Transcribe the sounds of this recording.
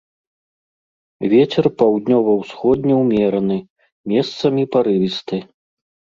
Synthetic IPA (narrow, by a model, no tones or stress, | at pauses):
vʲɛt͡sʲɛrpawd̪nʲɔvɐwsxɔd̪̚ʲnʲɛwmʲɛɾɐnɨ | mʲɛst̪sɐmʲipaɾɨvʲist̪ɨ